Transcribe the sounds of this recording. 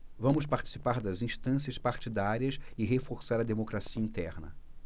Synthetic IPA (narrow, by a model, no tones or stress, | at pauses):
vɐ̃mʊs̬paɾt͡ʃi̥sipaɾd̪ɐzĩʃt̪ɐ̃s̬iɐspaɾt͡ʃid̪aɾiɐsɪɦefoɾsaɾɐd̪emokɾasiɐĩnt̪ɛɾnɐ̰